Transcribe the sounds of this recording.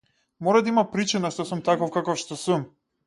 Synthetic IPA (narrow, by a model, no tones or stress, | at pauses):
mɔɾad̪aimapɾit͡ʃinaʃt̪ɔsumt̪akɔfkakɔfʃt̪ɔsum